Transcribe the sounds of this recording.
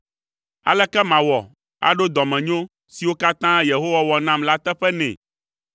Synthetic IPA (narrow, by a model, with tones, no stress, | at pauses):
a̰˨lɛ˦kɛ˦mã˨wɔ˨ | a̰˨ɖo˦d̪ɔ˨mɛ̃˨ɲõ˦ | si˨wo˦ka˦t̪ã˦je˨ɦo˦wa˦wɔ˨nã˦˨mla˦t̪ɛ˦ɸɛ˦nɛ̰̃˨